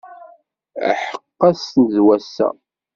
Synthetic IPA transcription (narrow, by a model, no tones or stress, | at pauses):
ħə̥qːɑsnzwæsæ̰